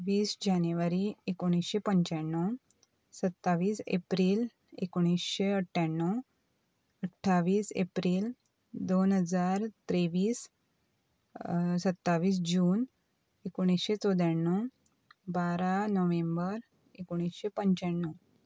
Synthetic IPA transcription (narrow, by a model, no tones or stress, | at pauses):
ʋiːsd͡ʑaneʋaɾiekoɽ̃isɕepəɲt͡ɕaɳːɔ | sət̪ːaʋiːsḛpɾiːl | ḛkoɽ̃isɕeəʈʰːaɳːɔ | əʈʰːaʋiːsḛpɾiːl | d̪onɦəd͡zaɾt̪ɾeʋiːs | sət̪ːaʋiːs̬d͡ʑuːn | ekoɽ̃isɕet͡sɔd̪jaɳːɔ | baɾanɔʋẽmbəɾ | ekoɽ̃isɕepəɲt͡ɕaɳːɔ